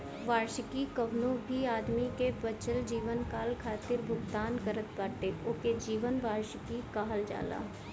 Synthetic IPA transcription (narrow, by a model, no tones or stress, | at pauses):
ʋaːɾʃəkikɐʋnõbʱiaːd̪mikebət͡ʃəld͡ʒiːʋənkaːlkʰaːt̪ɪɾbʱʊɡt̪aːnkəɾət̪̚paːʈeoːked͡ʒiːʋənʋaːɾʃkikaːɦəld͡ʒa̰ːla̰ː